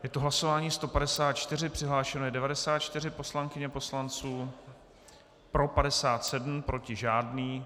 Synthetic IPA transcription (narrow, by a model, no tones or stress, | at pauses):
jɛt̪oɦlaso̞vaːɲiːst̪o̞padɛsaːt̪t͡ʃt̪ɪr̝ɪpr̝̥ɪɦlaːʃɛnojɛdɛvadɛsaːt̪̚t͡ʃt̪ɪr̝ɪpo̞slaŋkɪɲɛpo̞slant͡suː | pɾo̞padɛsaːt̪sɛdm̩pɾo̞cɪʒaːdniː